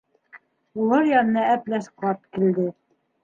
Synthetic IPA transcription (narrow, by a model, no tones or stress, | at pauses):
ulˠɑɾjɑnɤ̆nɑæplæʃqɑt̪kĭld̪ɘ